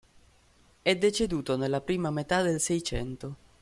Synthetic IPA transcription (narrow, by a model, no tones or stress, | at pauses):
ɛd̪ːet͡ʃed̪uːt̪onelːapɾiːmamet̪ad̪elsɛjt͡ʃɛ̰nt̪o